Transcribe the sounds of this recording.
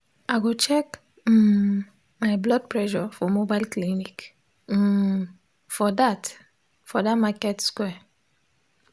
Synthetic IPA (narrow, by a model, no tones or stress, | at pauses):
aɡot͡ʃɛk | majblɔd̚pɹɛʃɔfɔmobalklinik | fɔdat | fɔdatmakɛtskwɛ